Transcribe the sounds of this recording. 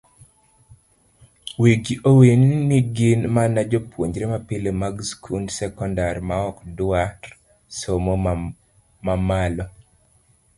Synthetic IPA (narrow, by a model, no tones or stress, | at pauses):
weɡiʔowennɪɡɪnmanad͡ʒopwoɲd͡ʒɾemapɪlemaɡskʰunsɛkɔndaɾmaɔkdaɾ | somo | mamalɔ